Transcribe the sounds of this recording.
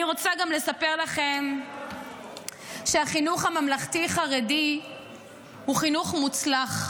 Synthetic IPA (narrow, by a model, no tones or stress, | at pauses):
iʁo̞t͡saɡamle̞sape̞ʁlaχe̞m | ʃeaχinuχhamamlaχtiχaʁedi | huχinuχmut͡slaχ